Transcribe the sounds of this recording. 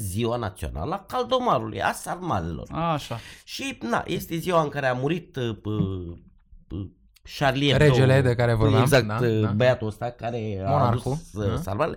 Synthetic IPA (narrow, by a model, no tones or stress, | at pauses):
ziwanat̪sio̰na̰lakald̪omaɾulṵja̰sarmalelo̰raʃaʃina̰jʔest̪eziwaɨŋkaɾeamuɾit̪b | ʃaɾlieɾed͡ʒeled̪ekaɾevoɾmeazak̚t̪bəjat̪ost̪akaɾeaɾuksa̰lmale